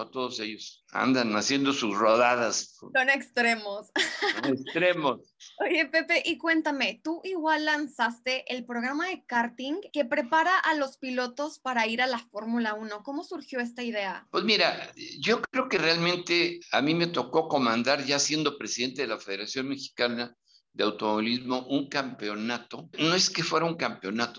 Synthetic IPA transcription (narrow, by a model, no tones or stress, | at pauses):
at̪oðose̞ʝos | a̰nd̪anasje̞nd̪osusroðaðassonekst̪ɾe̞mossonekst̪ɾemos | oje̞pepe̞ʔikwe̞nt̪ame̞t̪uʔiɣwalːansast̪e̞ʔelpɾo̞ɣ̞ɾamaðe̞kaɾt̪iŋke̞pɾe̞paɾaʔalospilo̞t̪o̞spaɾaiɾalafo̞ɾmulauno̞ko̞mo̞suɾxjo̞e̞s̬t̪aiðe̞apwe̞zmiɾaɟ͡ʝo̞kɾe̞oke̞realmẽnt̪e̞amime̞t̪o̞ko̞ko̞mãnd̪aɾʝasje̞nd̪o̞pɾe̞siðe̞nt̪e̞ðelafe̞ð̞e̞ɾasjo̞nme̞xi̥kana | d̪eawt̪omo̞βilizmo̞ʔuŋkampeo̞nat̪o̞noe̞skefwe̞ɾauŋkampeo̞nat̪o